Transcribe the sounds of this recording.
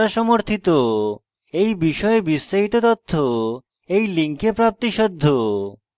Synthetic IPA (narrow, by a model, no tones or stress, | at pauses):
aʃɔmoɾt̪ʰit̪o | ejbiʃɔebisːaɦit̪ot̪ot̪ʰːo | ejliŋkepɾap̚t̪iʃɔd̪ʱːo